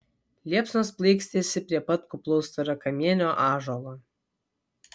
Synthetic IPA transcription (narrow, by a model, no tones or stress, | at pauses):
lʲiɛpsnosplˠɐɪksʲt̪ʲesʲɪpʲɾʲiɛpɐt̪kʊplˠɔʊst̪ɐɾɐkɐmʲiɛnʲoːʔɑːʒolˠoː